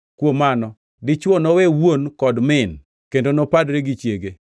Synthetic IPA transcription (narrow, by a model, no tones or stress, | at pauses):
kwomanɔ | dɪt͡ʃwɔnowewonkɔdmɪn | kendonopadɾeɡɪt͡ʃjeɡe